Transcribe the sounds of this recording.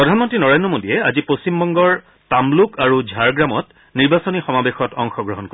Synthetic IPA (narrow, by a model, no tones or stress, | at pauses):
pɹɔdʱanmɔntɹinɔɹendɹɔmodiɛazipost͡ɕimbɔŋɡɔɹ | tamlukaɹud͡ʒʱaɹɡɹamɔt | niɹbasonixɔmabexɔtɔŋxɔɡɹɔɦɔnko